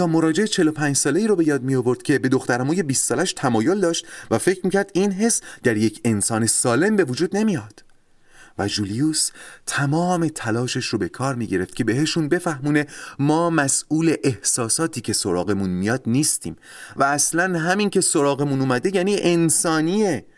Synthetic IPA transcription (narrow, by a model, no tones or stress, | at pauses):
t̪ʰɒːmo̞ɾɒːd͡ʒe̞et͡ʃʰe̞lopʰæːnd͡ʒsɒːle̞iːɾobe̞jɒːd̪̚mijovo̞ɾd̪̥̚cʰʲe̞be̞d̪o̞xt̪æɾæmuːje̞biːst̪ːɒːlæʃt̪ʰæmɒːjo̞ld̪ɒːʃt̪væfe̞cʰɾmiːcʰæɾd̪iːnɦe̞sd̪æɾje̞cʰe̞nsɒːne̞sɒːle̞mbe̞vod͡ʒuːd̪ne̞mijɒd̪̥ | væd͡ʒuliust̪ʰæmɒːme̞t̪ʰælɒːʃeʃɾobe̞kʰɒːɾmiːɟe̞ɾe̞ft̪̚cʰe̞be̞ɦeʃunbe̞fæhmuːne̞mɒːmæsuːle̞ʔehsɒːsɒːt̪ʰiːcʰe̞so̞ɾɒ̰ːɣe̞munmijɒːd̪niːst̪ḭːm | væːslænɦæmincʰe̞so̞ɾɒːɣe̞munuːmæd̪e̞jæːniːʔensɒːnie